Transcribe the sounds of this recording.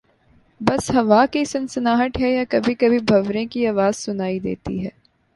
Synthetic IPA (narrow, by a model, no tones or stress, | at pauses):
bɐsɦɐʋakisɐ̃nsənaːɦəʈ̪ɦɛjakɐbʱikɐbʱibʱɐʋɾẽkiaːʋaːz̥sʊnaːid̪ḛːt̪ḭɦɛː